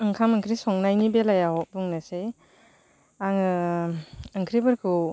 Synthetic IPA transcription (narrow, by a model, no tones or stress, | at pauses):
ɯŋkʰamɯŋkʰɾisɔŋnajnibelajaɦɔbuŋnase | aŋɯ | ɯŋkʰɾibɯɾkʰɯ